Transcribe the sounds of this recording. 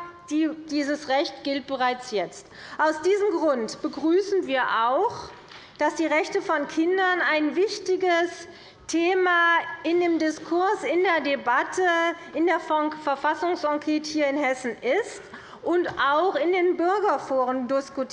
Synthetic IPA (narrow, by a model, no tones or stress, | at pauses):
d̥id̥iːzəsʁɛçtɡ̥ɪlt̚b̥əʁaɪt͡sjɛt͡st | ʔaʊsd̥iːzəmɡʁʊntb̥əɡʁyːsn̩viːɐʔaʊx | d̥asd̥iːʁɛçtəfɔnkʰɪndɐnaɪnvɪçtɪɡəs | tʰeːmaɪndeːmdɪskʰʊɐsɪndeːɐdebatʰəɪndeːɐfɛɐfasʊŋsʔɔkʰɛːthiːɐɪnhɛsn̩ɪst | ʔʊntaʊxɪndeːnbʏɐɡɐfoːʁəndɪskʊtʰ